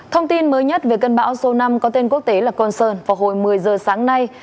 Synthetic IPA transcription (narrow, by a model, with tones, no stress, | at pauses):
t̪ʰə˧wŋ͡mt̪i˧nməː˨˦jɲə˦˥t̚ve˨˩kə˧nɓa̰ː˧˥wso˧na˧mkɔ˨˦t̪e˧nku˦˥ək̚t̪e˨˦laː˨˩kɔ˧nsəː˧nvaː˨˩ɦo˧˩jmɨ˨˩əjzəː˨˩saː˨˦ŋna˧j